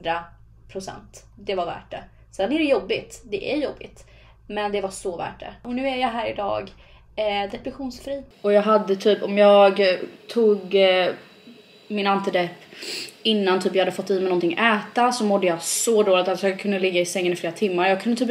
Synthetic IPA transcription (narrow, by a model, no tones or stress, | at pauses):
d̪ɾa | pʰɾʊsɛ̰nt̪ | d̪ɛvaɾvæ̰ːʈɖɛ̰ | sɛnːæɖɛjɔbːɪt̪d̪ɛʔæɾjɔbːɪ̰t̪ | mɛnd̪ɛvasɔvæ̰ːʈɖɛ̰ɔnʉ̟ːæɾjaɦæːɾɪd̪ɑ̰ːɡ | d̪ɛpɾɛɧuːnsfɾiː | ɔjɑːɡɦad̪ːət̪ʰyːpɔmjɑːɡt̪ʰuːɡ | mɪnant̪ɪd̪ɛpːɪnːant̪ʰyːpjɑhad̪ːəfɔt̪ːiːmɛɪnɔnt̪ʰɪŋʔɛːt̪asɔmɔd̪ːəjɑsɔd̪oːlɪɡt̪alsɔjɑːɡkʰɵnd̪əlɪɡːaɪsɛŋːənɪfleːɾat̪ʰɪmːaɾjɑːɡ̚kʰɵnd̪ət̪ʰyːp